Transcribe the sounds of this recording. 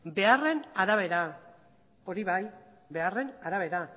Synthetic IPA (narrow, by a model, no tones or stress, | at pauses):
be̞are̞naɾaβ̞e̞ɾa | o̞ɾiβaj | be̞are̞naɾaβ̞e̞ɾa